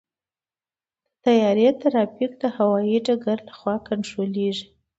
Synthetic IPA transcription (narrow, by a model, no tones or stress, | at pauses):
t̪ajɑɾet̪aɾɑpikd̪əhawɑjiɖaɡaɾlaxwɑkant̪ɾoleʐi